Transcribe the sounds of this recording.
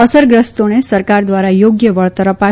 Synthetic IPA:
əsəɾɡɾəst̪onesəɾkaɾd̪ʋaɾajoɡjəʋəɭt̪əɾəpa

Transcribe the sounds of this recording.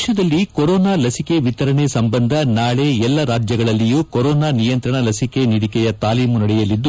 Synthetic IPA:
ʃɐd̪ɐlːikoɾɔːnaːlɐsike̞ʋit̪ɐɾɐnesɐmbɐnd̪ʱɐnaːɭe̞ɛlːɐɾaːd͡ʒjɐɡɐɭɐlːijuːkoɾɔːnaːnijɐnt̪ɾɐɳɐlɐsike̞niɽikɛjɐt̪aːliːmunɐɽɛjɐlid̪ːu

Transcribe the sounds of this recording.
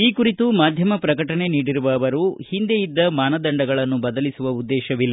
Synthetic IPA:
iːkuɾit̪umaːd̪ʱjɐmɐpɾɐkɐʈɐne̞niːɽiɾuʋɐːʋɐɾuhind̪e̞jid̪ːɐmaːnɐd̪ɐɳɖɐɡɐɭɐnːubɐd̪ɐlisuʋɐud̪ːɛːʃɐʋilːɐ

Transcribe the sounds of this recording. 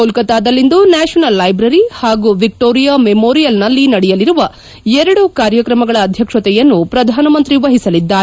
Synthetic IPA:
oːlkɐt̪aːd̪ɐlːind̪unaːʃɐnɐlːɐjbɾɐɾihaːɡuʋik̚ʈoːɾijaːmemoːɾijɐlnɐlːinɐɽɛjɐliɾuʋɐ | ɛɾɐɽukaːɾjɐkɾɐmɐɡɐɭɐːd̪ʱjɐkʂɐt̪ɛjɐnːupɾɐd̪ʱaːnɐmɐnt̪ɾiʋɐɦisɐlid̪ːaːɾe

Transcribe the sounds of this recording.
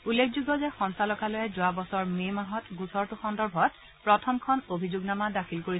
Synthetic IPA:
ulːekʰzuɡɔzɛxɔnsalɔkalojɛzʊwabɔsɔɹmemaɦɔtɡusɔɹtʊxɔndɔɹbʱɔt̚ | pɹɔtʰɔmkʰɔnobʱizʊɡnamadakʰilkoɹi

